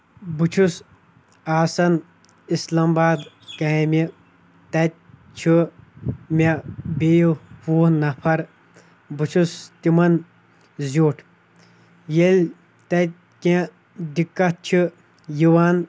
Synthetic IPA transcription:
but͡ʃʰus | aːsɐn | islɐmbaːd̪ | kami | t̪ɐt̪̚ʲ | t͡ʃʰu | mʲebejupuːnɐpʰɐɾ | but͡ʃʰust̪imɐn | zʲoːʈʰ | jelʲ | t̪ɐt̪̚ʲ | kʲẽ | d̪ikːɐt̪̚t͡ʃʰu | jiwaːn

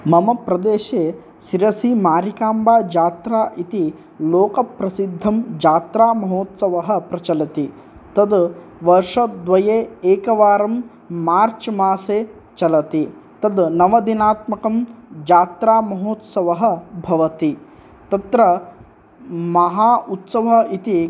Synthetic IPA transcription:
mɐmɐpɾɐd̪eːʃeː | ʃiɾɐsimaːɾikaːmbaːd͡ʒaːt̪ɾaːʔit̪i | loːkɐpɾɐsid̪ʱːɐmd͡ʒaːt̪ɾaːmɐɦoːt̪sɐʋɐɦɐ̆pɾɐt͡ʃɐlɐt̪i | t̪ɐd̪ʋɐɾʂɐd̪ʋɐjeːeːkɐʋaːɾɐmː | aːɾt͡ʃmaːseː | t͡ʃɐlɐt̪it̪ɐd̪nɐʋɐd̪inaːt̪mɐkɐmd͡ʒaːt̪ɾaːmɐɦoːt̪sɐʋɐɦɐ̆bʱɐʋɐt̪i | t̪ɐt̪ɾɐ | mɐɦaːʔut̪sɐʋɐit̪i

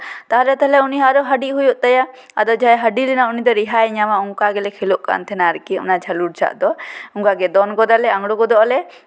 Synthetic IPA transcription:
t̪aɦalɛt̪ɛlɛuniɦaɾɔɦəɖiʔɦujɔʔt̪aja | ad̪ɔd͡ʒʱajɦəɖilɛnaunid̪ɔɾiɦajɲamauŋkaɡɛlɛkʰɛluʔka̰ʔa̰nt̪ʰɛnaɾkiṵnad͡ʒʰʱaluɽt͡ʃʰa̰ʔd̪ɔuŋkaɡɛd̪ɔnɡɔd̪alɛaŋɽukɔd̪ɔʔalɛ

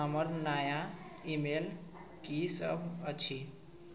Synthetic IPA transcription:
əməɾnaːja | imel | kisə̰bʱət͡ʃʰi

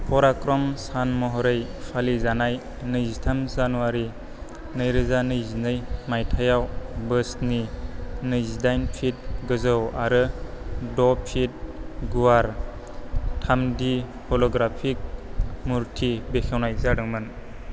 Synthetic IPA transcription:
pʰɔɾakɾɔmsanmɔɦɔɾɯjpʰalizanaj | nɯzitʰamzanuwaɾi | nɯjɾɯzanɯjzinɯjmajtʰajawbɯsninɯjzidajnpʰit̚ɡɯzɯwaɾɯdɔpʰit̚ɡuwaɾ | tʰamdi | pʰɔlɔɡɾapʰik̚muɾtʰibekʰewnajzaɽɯŋmɯn

